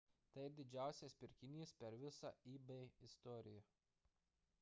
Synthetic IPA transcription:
t̪ɐɪd̪ʲɪd͡ʒʲæˑʊsʲeːspʲɪɾʲkʲɪnʲiːspʲɛɾʋʲɪsɑ̰ːiːbɛɪɪst̪ɔːɾʲɪjɛ

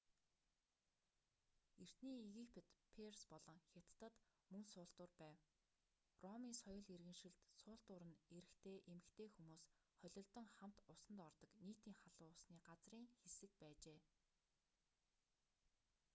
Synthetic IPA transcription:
er̥t̪niːiɣipʰet̪pʰerspɔɮɞ̆ŋxʲat̪ːə̆t̪mɵŋsʊːɬt̪ʊːrpæːw | rɔmiːnsɔjʊ̆ɮerɣɘ̆nʃɪ̆ɮt̪sʊːɬt̪ʊːɾə̆neɾɘ̆xt̪ʰeːʔemɘ̆kt̪ʰeːxumuːs | χɔɮʲɞ̆ɮt̪ɞ̆ŋχam̥t̪ʊsə̆nt̪ɔrt̪ɞ̆kniːt̪iːŋχaɮʊːsniːɢat͡sriːŋxesɘ̆k̚pæːt͡ɕeː

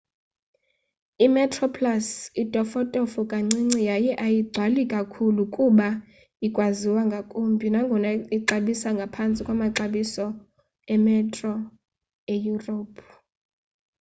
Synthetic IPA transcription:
imɛtʰʼrɔpʰlasitʼɔfɔtʼɔfukʼaŋ͡ǀiŋ͡ǀijajɛʔajiɡ͡ǀʱwalikʼakʰulukʼuɓa | ikʼwaziwaŋɡʱakʼumbʱʼinaŋɡʱɔnaiǃaɓisaŋɡʱapʰant͡sʼikʼwamaǀaɓisɔ | ɛmɛtʼrɔ | ejuropʰ

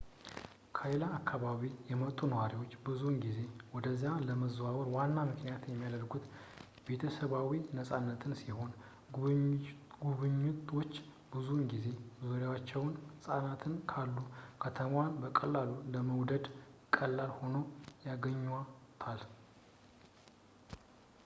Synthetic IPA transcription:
kʰalaːkːaβaβijɛmət̪ʼːunəwaɾiwo̞t͡ʃːbɨzunɡize̞wɔd̪əzːijaləməzwawəɾwanːamɨknijat̪jɛmːijad̪əɾɡut̪ | be̞t̪ʰəsəβawinəsʼanːət̪ʰɨnsiho̞n | ɡuβɨɲːut̪wo̞t͡ʃː | bɨzunɡize̞zuɾjawat͡ʃːɛwnsʼanat̪ʰɨnkʰalːukʰət̪ʰəmwanbəkʼəlːaluləməwd̪əd̪kʼːəlːalho̞no̞jaɡəɲːa | t̪ʰal

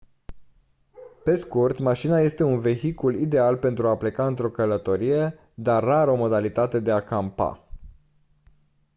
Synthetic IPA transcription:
pe̞skurt̪maʃinaje̞st̪e̞unve̞çikulid̪e̞alpe̞nt̪ɾuaple̞kaɨnt̪ɾo̞kələt̪o̞ɾije̞ | d̪arːaɾo̞mo̞d̪alit̪at̪e̞d̪e̞akampa̰

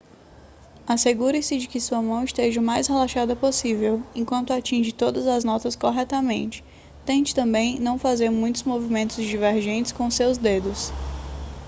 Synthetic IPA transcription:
aseɡuɾɪsɪd͡ʒɪkɪsuɐmɐ̃w̃ɪst̪eʒɐʊmajshelaʃad̪ɐposivewẽkwɐ̃nt̪ʊat͡ʃĩʒɪt̪od̪ɐzɐznɔt̪ɐskoɦɛt̪ɐmẽnt͡ʃɪ̥ | t̪ẽnt͡ʃɪ̥t̪ɐ̃mbẽj̃nɐ̃w̃fazeɾmũj̃t̪ʊzmovimẽnt̪ʊzd͡ʒiveɾʒẽnt͡ʃɪ̥skõsewzd̪ed̪ʊs

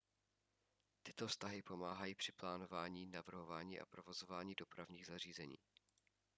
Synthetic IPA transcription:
t̪ɪ̥t̪o̞fst̪aɦɪpo̞maːɦajiːpr̝̥ɪplaːno̞vaːɲiːnavr̩ɦo̞vaːɲiːʔa̰pɾo̞vo̞zo̞vaːɲiːdo̞pɾavɲiːɣzariːzɛɲḭː

